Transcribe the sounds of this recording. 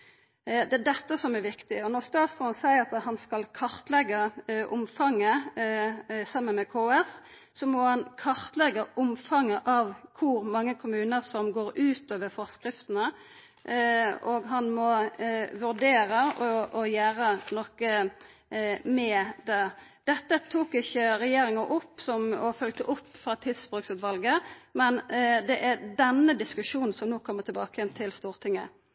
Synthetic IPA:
d̪ɛæd̪ɛt̪ːəsɔmɛɾʋɪkt̪ɪɔnɔʁst̪ɑːsfɔnsæɪəɾɑt̪hɑnskɑlkʰɑʁt̪lɛɡəʔʊmfɑŋːə | sɑmːənmɛkʰoːɛs | sɔmɔhɑnkʰɑɾt̪lɛɡːəʔʊmfɑŋːəʔɑʋkʰʊɾmɑŋːəkʰʊmʉːnəsɔmɡoːɾʉːt̪oːʋəɾfɔʁskʁɪft̪ənə | ɔɡɦɑnmɔʋʉʁd̪eːɾəɔʔɔjæːɾənɔkə | mɛd̪ɛd̪̥ɛt̪ːət̪ʰuːkɪçːəɾɛjeːɾɪŋəʔʊpːsɔmɔfœlɡ̚t̪əʔʊpːfʁɑːt̪ʰɪlsbʁʉksʉt̪ʋɑlɡəmɛnd̪ɛʔæd̪ɛnːəd̪ɪskʉʂuːnn̩sɔmnoːkʰɔmːət̪ʰɪlbɑːkəjɛnt̪ʰɪlst̪uːʁt̪ʰɪŋːə̰

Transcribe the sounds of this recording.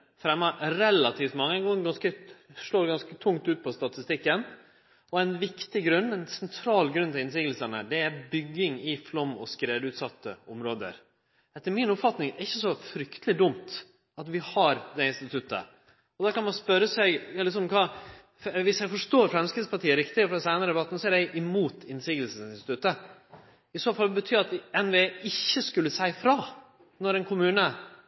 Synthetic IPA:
fɾɛmːəɾɛlɑt̪ʰiːft̪mɑŋːəɡoɡɑnskəʂloːɾɡɑnskət̪ʰʊŋt̪ʉːt̪̚pʰɔst̪ɑt̪ɪst̪ɪkːən | ɔænʋɪkt̪ɪɡɾʉnːɛnsɛnt̪ʰɾɑːlɡɾʉnːt̪ʰɪlɪnsiːɡəlsənə̰d̪ɛæɾbʏɡːɪŋɪflɔmːɔ̰skɾeːd̪ʉːt̪sɑt̪ʰːəɔmɾoːd̪ə̰ɾ | ɛt̪ːəɾmɪnʊpfɑt̪nɪŋɾɪçːəsɔfɾʏkt̪əlɪd̪ʊmt̪ | ɑt̪ʋɪhɑɾd̪ɛɪnst̪ɪt̪ʰʉt̪ːə̰ | ɔd̪ɑkɑnmɑnspœɾəsɛɪɡjɑlɪsɔmkʰɑ | ʋɪsjæɪfɔʂʈoːɾfɾɛmskɾɪt̪spɑʈiːəɾɪkt̪ɪɡəfɾɔd̪ɛsæɪnəɾəd̪ɛbɑt̪ːn̩sɔæɖɛɪʔɪmuːt̪ʰɪnsiːɡ̪l̩səsɪnst̪ɪ̥t̪ʉt̪ːə | ɪsoːfɑlbət̪ʰyːɾɑt̪ɛnʋeːɪçːəskʉlːəsæɪfɾɑː | nɔɾɛnkʰʊmʉːnə

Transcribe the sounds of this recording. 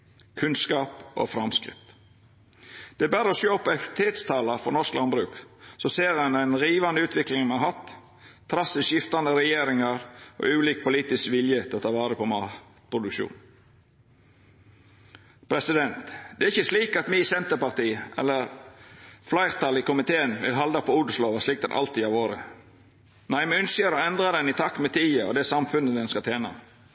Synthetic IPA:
kʰʉnskɑːpo̰fɾɑmskɾɪ̰t̪ | d̪̥ɛæbæːɾəɔsjoːɔpːɛfɪt̪ʰeːt̪st̪ʰɑːlɑɾfɔnɔsklɑnbɾʉːksɔseːɾɛnd̪ɛnɾiːʋɑnəʉːt̪ʰʋɪklɪŋmɑnɑɦɑt̪ʰː | ɾɑsɪsʃjɪft̪ɑnd̪əɾɛjeːɾɪŋɑɾʔo̰ʉːliːk̚pʊliːt̪ɪskʋɪljət̪ʰɪlɔt̪ʰɑːʋɑːɾəpʰɔmɑː | pʰɾʊd̪ʉkʃṵːn | pʰɾɛsɪd̪ɛnt̪d̪̥ɛæɾɪçːəsliːkɑt̪miːsɛnt̪əɾpɑɾt̪iːʔɛ̰lːəɾ | flæɪɾt̪ʰɑlɪkʊmɪt̪ʰeːənʋɪ̰lɦɑld̪ɑpʰɔʊd̪sloːʋɑslɪk̚t̪ɛnʔɑ̰lt̪ʰiːɑʋoːɾə̰ | næɪmɛœnsəɾɔɛnd̪ɾɑd̪ɛnɪt̪ʰɑkːmɛt̪ʰiːəɔ̰d̪ɛsɑmfʉnəd̪ɛnskɑt̪ʰeːnɑ̰

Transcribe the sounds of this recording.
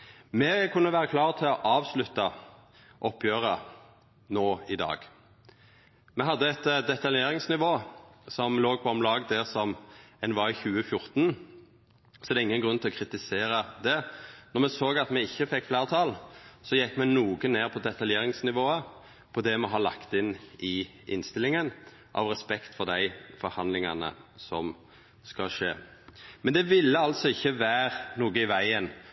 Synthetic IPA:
mɛkʰʉnːəʋæːʁəkʰlɑːʁt̪ʰɪlɔʔɑːʋslʉt̪ːɑ | ʔɔpːjøːʁə | noːɪd̪ɑ̰ːɡ | mɛɦɑd̪ːəɛt̪d̪ɛt̪ɑljeːʁɪŋsnɪʋoːsɔmloːɡ̚pʰɔɔmlɑːɡd̪æʁsɔmɛnʋɑɪçʉːəfjʊʁt̪n | sɔɛɾd̪ɛɪŋːənɡʁʉnt̪ɪlɔkʰʁɪt̪ɪseːɾəd̪ɛnɔɾmɛsoːɡɑt̪mɛɪçːəfɛkːflæːʁt̪ʰɑːlsɔjɛkːmɛnuːɡəneːʁpʰɔd̪ɛt̪ʰɑljeːɾɪŋsnɪʋoːə | pʰɔd̪ɛmɛɦɑlɑ̰kt̪ɪnɪʔɪ̰nst̪ɪlːɪŋən | ʔɑ̰ʋʁɛspɛkt̪fɔd̪æɪfɔɾhɑnlɪŋɑ̰nə̰sɔm | skɑlʂḛːmɛnd̪ɛʋɪlːəɑlt̪sɔɪçːəʋæːɾnuːɡəɪʋæɪən

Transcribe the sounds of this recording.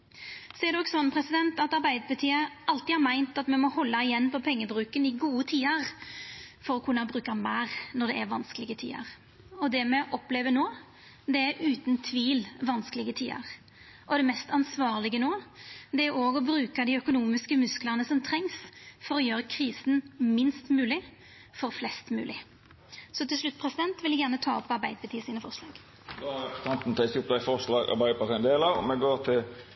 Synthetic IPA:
sɔɛɾd̪ɔksɔnpʰʁɛsɪd̪ɛnt̪ɑt̪ɑɾbæɪd̪əpʰɑʁt̪ʰiːəʔɑlt̪ɪɑɾmæɪnt̪ɑt̪mɛmɔhɔlːɑɪjɛnːpɔpʰɛŋːəbɾʉːkənɪɡuːət̪ʰiːəʁ | fɔɾɔkʰʉnːɑbɾʉːkəmæːʁnɔɾd̪ɛʔæɾʋɑnsklɪɡət̪ʰḭːə̰ʁ | ɔd̪ɛmɛʔɔpleːʋənoː | d̪ɛæɾʉːt̪nt̪ʰʋiːlʋɑnsklɪɡət̪ʰḭːə̰ʁ | ʔɔd̪ɛmɛst̪ɑnsʋɑːʁlɪɡənoːd̪ɛæɾoːɡɔbɾʉːkəd̪ɪœkʊnuːmɪskəmʉskləʁnəsɔmt̪ʰɾɛŋsfɔɾɔjøːɾəkʰʁiːsn̩mɪnst̪mʉːlɪ | fɔɾflɛst̪mʉ̰ːlɪ | sɔt̪ɪlslʉt̪ːpʰʁɛsɪd̪ɛnt̪ʋɪlæɡjæʁnət̪ʰɑːɔpːɑɾbæɪd̪əpʰɑt̪iːəsiːnəfɔʁʂlɑ̰ːɡ̥ | d̪oɑt̪ʰɑnt̪n̩t̪ʰɛɪsʊpd̪æɪfɔʁʂlɑːɡɑ̰ɾbæɪpʰɑt̪ɪnd̪eːlɑʋɔ̰mɛɡoːʁt̪ʰɪl

